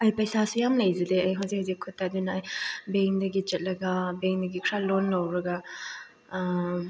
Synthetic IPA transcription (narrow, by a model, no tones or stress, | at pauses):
ɐjpɐjsasujamlɐjzɐdeɐjɦɐwzik̚hazikʰːutːadunɐːjbeŋdɐɡid͡ʒet̚lɐɡɐbeŋdɐɡikʰɾalonːawɾɐɡɐ